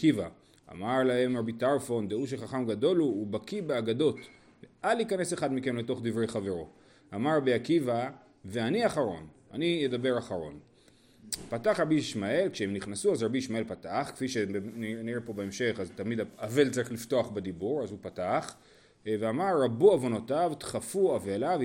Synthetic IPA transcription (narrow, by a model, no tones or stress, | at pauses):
kiva | a̰maʁlahe̞mʁabitaʁfo̞nd̪euʃ̬eχaχamɡad̪o̞luːbakibeaɡado̞t | veʔalikane̞se̞χad̪mike̞mle̞to̞χd̪ivʁe̞jχave̞ʁo̞ | amaʁːabiakiva | ve̞aniaχaʁo̞̰na̰nijed̪abe̞ʁaχaʁo̞̰n | pataχʁabiʃmae̞lkʃeemniχnasuazʁabiiʃmae̞lpataχke̥fiʃeniniʁepo̞beemʃe̞χazt̪amid̪aave̞lt͡saʁiχlifto̞aχbed̪ibuʁazupataχ | veamaʁːabuavo̞notavt̪χafuavelav